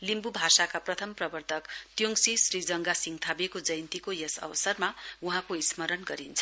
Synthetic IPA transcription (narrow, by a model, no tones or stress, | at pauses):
limbubʱasakaprʌt̪ʰʌmprʌbʌrt̪ʰʌkt̪joŋsisrid͡zʌŋɡasiŋɡt̪ʰabekod͡zʌjnt̪ikojʌsʌ̰bʌsʌrmauɦãkoismʌɾʌnɡʌɾint͡sʰʌ